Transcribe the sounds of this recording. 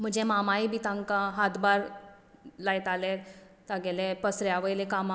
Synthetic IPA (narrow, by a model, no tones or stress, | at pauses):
m̤əd͡ʑɛmamaibit̪ãŋkaɦat̪baɾ | lajt̪aleɾ | t̪aɡɛlepəsɾjaʋəjlekama